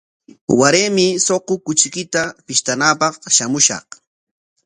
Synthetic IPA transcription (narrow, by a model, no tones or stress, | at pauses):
waɾeːmɪsoqokʊt͡ʃkɪt̪apɪʃt̪anaːpɑqʃamʊʃɑ̰q